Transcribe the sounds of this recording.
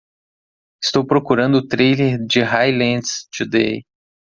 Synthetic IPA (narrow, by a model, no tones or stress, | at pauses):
ɪst̪owpɾokuɾɐ̃nd̪ʊt̪ɾejleɾd͡ʒɪɦajlẽd̪st͡ʃud̪ḛj